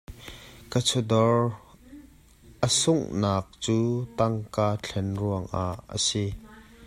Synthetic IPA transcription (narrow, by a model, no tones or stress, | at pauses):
kət͡sʰudɔr | ʔəsʊŋnaːk̚t͡suːt̪ɐŋkaːt͡ɬʰɛnruəŋʔa̰ʔːə̰si